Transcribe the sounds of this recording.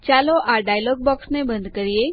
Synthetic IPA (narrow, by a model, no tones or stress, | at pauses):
t͡ɕaloʔaɖajlɔːɡ̚bɔksnebə̃nd̪kəɾie